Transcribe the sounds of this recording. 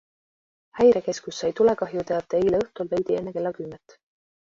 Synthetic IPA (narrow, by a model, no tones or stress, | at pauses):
hæjɾeke̞skusːɑjt̪ule̞kɑɦjut̪eɑt̪ːˑeejleɤht̪ulvejd̪ie̞nːeke̞lːɑkymːet̪ː